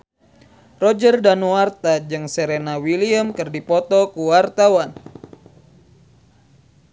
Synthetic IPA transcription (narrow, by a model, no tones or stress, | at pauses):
rɔd͡ʒərdanuart̪ad͡ʒɨŋsɛɾenawiliəmkɨrdipɔt̪ɔkuwart̪awan